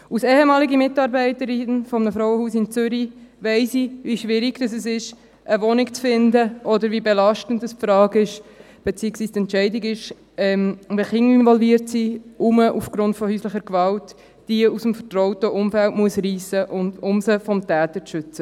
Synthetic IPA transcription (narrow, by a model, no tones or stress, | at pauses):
usɛːhɛmɑːliɡimɪtɑːɾbɛɪtəɾɪnfɔmənəfɾɔʊwəhuːsɪnt͡sʏɾivɛɪsiviʃʋɪɾɪɡd̥ɑs̬ɛsɪʃ | ʔəvɔnɪkt͡sfɪndəʔɔdəɾvibelɑʃtən̩dəspfɾɑːɡɪʃ | b̥et͡siːəksʋiːstɛntt͡ʃɛɪdɪɡɪʃ | ɛmʋiχɪŋɪnvɔlviːəɾtsiʔuməʔufɡ̥ɾʊntfɔhyːsləχəɾkʋɑltː | iəusəmfətrɔʊtəʔʊmfæltmuəsriːsəʔʊnʊmsəfɔmtɛːtət͡sʃʏt͡sə